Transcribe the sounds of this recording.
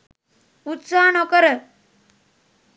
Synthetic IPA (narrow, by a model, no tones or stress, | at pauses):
ut̪sanɔkəɾə